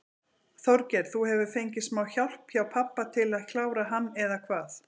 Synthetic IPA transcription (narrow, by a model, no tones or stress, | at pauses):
θɔɾcɛɾ̥θuhɛvʏ̥fejɲcɪsmaːwçawl̥pçjaːwpʰapːat̪ʰɪlaðcʰlaːwɾaɦanːɛðakʰvaːθ